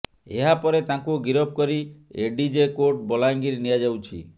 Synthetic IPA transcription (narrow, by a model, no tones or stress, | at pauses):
eɦapɔɾet̪ãkuɡiɾɔb̚kɔɾieɖid͡ʒekoʈ̚bɔlaŋɡiɾnijad͡ʒawt͡ʃʰḭ